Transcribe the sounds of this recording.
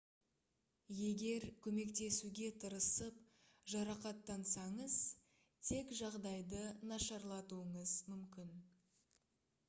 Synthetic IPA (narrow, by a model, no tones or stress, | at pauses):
je̞ɡʲe̞ɾkʲʰɵme̞kt̪e̞suɡʲe̞t̪ʰəɾəsəp | ʒɑɾɑqɑt̪ːɑnsɑɴəz | t̪ʰe̞kʒɑʁd̪ɑjd̪ənɑʃɑɾlˠɑt̪uəɴəzmʏmkʲɪn